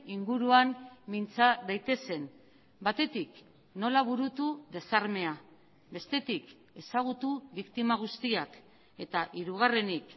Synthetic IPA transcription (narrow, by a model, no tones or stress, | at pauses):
iŋɡuɾuammint͡saðajt̪e̞se̞n | bat̪e̞t̪ik | no̞laβ̞uɾut̪uðe̞saɾme̞a | be̞st̪e̞t̪ik | e̞saɣ̞ut̪uβikt̪imaɣ̞ust̪iak | e̞t̪aʔiɾuɣ̞are̞nik